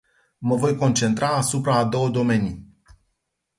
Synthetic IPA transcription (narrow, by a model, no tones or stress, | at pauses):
məvo̞jko̞nt͡ʃe̞nt̪ɾaːsupɾaːd̪o̞wəd̪o̞me̞ni